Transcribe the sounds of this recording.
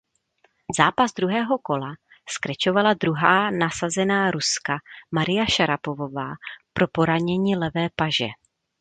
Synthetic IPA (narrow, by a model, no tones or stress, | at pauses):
zaːpazd̪ɾuɦɛːɦo̞ko̞la | skɾɛt͡ʃo̞valadɾuɦaːnasazɛnaːɾuskamaɾɪjaʃaɾapovo̞vaːpɾo̞po̞ɾaɲɛɲiːlɛvɛːpaʒɛ̰